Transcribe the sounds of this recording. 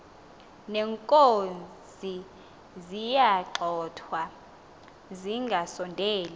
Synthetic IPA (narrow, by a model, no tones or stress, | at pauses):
nɛŋkʼonzʱi | zijaǁʱɔtʰwa | ziŋɡʱasɔndʱɛːli